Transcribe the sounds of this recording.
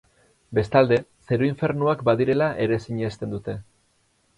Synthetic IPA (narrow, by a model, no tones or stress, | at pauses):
be̞st̪ald̪e̞se̞ɾoiɱfe̞ɾnuakbaðiɾe̞laʔe̞ɾesiɲest̪e̞nd̪ut̪e̞